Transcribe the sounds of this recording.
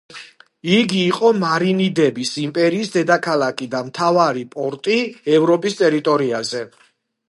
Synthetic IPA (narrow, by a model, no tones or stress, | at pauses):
iɡiːqʼɔmaɾinid̪ɛbisimpʼɛɾiːsd̪ɛd̪akʰalakʰʼid̪amt̪ʰavaɾipʼɔɾt̪ʼiɛvɾɔpʼist̪ʼɛɾit̪ʼɔɾiazɛ